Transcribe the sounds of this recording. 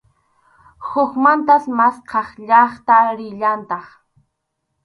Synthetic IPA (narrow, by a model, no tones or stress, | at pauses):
hʊkmant̪asmasqʰɑχʎɑχt̪aɾɪʎant̪ɑχ